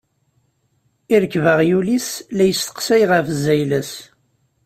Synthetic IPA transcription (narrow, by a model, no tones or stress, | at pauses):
iɾəkːvəʁjulislæjəst̪ə̥qsæjʁəfzːæjlæs